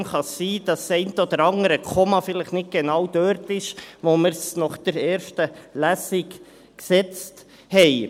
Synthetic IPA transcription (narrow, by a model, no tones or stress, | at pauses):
mχɑiːd̥ɑsːɛɪntəɔd̥̪əɾɑŋəɾəkʰɔmɑfɪləχnɪt̚ɡ̥enɑwd̥øːɾtɪʃʋoməɾsnɔχd̥əɾɛːɾʃtəlæsɪk | ksɛt͡st | hɛɪ